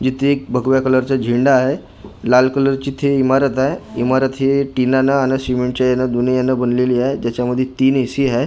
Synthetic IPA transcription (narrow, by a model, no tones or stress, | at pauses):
d͡ʑit̪ʰeːk̚bʱəɡʋjakələɾt͡ɕad͡ʑʱiɳɖaːɦe | lalkələɾt͡ɕiːt̪ʰɦeimaɾət̪aɦeimaɾət̪ɦeʈinanaanəsimeɳʈt͡ɕajanːad̪unejanːabənleliːaɦed͡ʑjat͡ɕjaməd̪ʱːjet̪iːnesiːɦa